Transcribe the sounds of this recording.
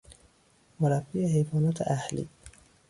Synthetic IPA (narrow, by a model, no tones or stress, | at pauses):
moɾæb̥ːiːehejvɒːnɒːt̪ʰḛʔæhlḭː